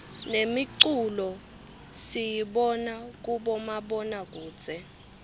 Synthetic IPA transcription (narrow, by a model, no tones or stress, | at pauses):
nemiǀulɔ | sijiɓɔnak̬uɓɔmaɓɔnak̬u̥ːt͡sʼɛ